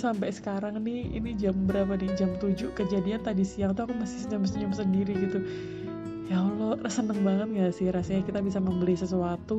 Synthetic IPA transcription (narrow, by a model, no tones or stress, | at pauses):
sampɛsə̥kaɾaŋnɪhḭnid͡ʒambəɾapanid͡ʒamt̪ud͡ʒʊkəd͡ʒadiant̪adisiaŋt̪̬uakumasɪ̥səɲamsəɲʊmsəndiɾiɡit̪u | jaolorəsənəŋbaŋət̪̚ŋɡasihɾasɲakit̪abisaməmbəlisəs̬uat̪u